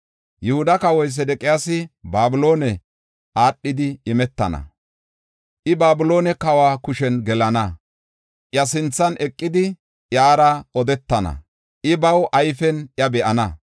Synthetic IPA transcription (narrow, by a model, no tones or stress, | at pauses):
jʊhʊd̪ɐkɐwɔjs̬ɛd̪ɛkʼɪjaːsɪbaːbʊlo̞ːnɛ | ʔaːɗːɪd̪ɪɪmɛt̪ːɐ̰nɐ̰ | ʔɪbaːbɪlo̞ːnɛkɐwaːkʊʃɛnɡɛlɐnɐ | ʔjɐsɪnt͡sːɐnʔɛkʼːɪd̪ɪ | ʔjaːɾɐʔɔd̪ɛt̪ːɐnɐ̰ | ʔɪbɐwʔɐjfɛnʔjɐbɛʔɐnɐ